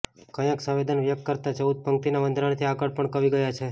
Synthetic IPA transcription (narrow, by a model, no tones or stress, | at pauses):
kəjãksə̃ʋed̪ənʋjək̚t̪kəɾt̪at͡ʃəud̪̚pəŋk̚t̪inaʋənd̪ʱɾaɽt̪ʰiakəɽpəɳkəʋiɡəjat͡ʃʰe